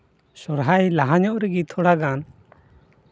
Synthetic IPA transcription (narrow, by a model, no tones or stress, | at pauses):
sɔɾɦajlaɦaɲɔʔɾɛɡit̪ʰɔɽaɡan